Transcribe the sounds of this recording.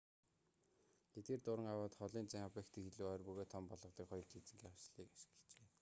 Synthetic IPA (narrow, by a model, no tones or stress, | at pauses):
et̪̚ɡeːrt̪ʊɾə̆ŋawʊːt̪χɔɮiːnt͡sæŋapĕkt̪ʰɘ̆kxeɮuːœːrpɵɣoːt̪ʰːɔmpɔɮʁɞ̆qt̪iːkχɔjɞ̆rt̪it͡sɘ̆ŋɡiawsɮiːkḁʃɪ̥̆kə̥t͡ɕeː